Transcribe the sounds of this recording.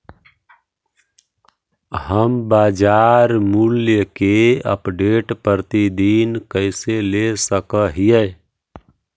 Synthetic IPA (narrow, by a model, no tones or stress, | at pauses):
ɦəmbad͡ʒaɾmuljəkeə̰pɖeʈpəɾt̪id̪inkəɪselesəkəɦijə